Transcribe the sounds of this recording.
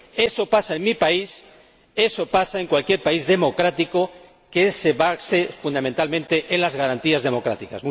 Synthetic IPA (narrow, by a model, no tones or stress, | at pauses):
e̞so̞pasaenmipais | e̞so̞pasaeŋkwalkje̞ɾpaizðe̞mo̞kɾat̪iko̞ | ke̞seβasefund̪amẽnt̪almẽnt̪e̞ʔenlazɣaɾant̪iazðe̞mo̞kɾa̰t̪ika̰smu